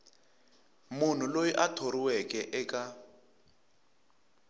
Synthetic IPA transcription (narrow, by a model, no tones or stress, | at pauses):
mun̤ulojiʔatʰoɾiwɛkʼɛʔɛkʼa